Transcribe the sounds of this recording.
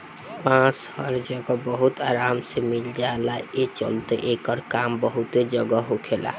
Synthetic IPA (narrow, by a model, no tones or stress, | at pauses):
pãt͡ʃhəɾd͡ʒəɡɔbəɦut̪aːɾaːmsemild͡ʒalaet͡ʃə̰lt̪eʔekəɾkambəɦut̪ed͡ʒəɡəɦokʰela̰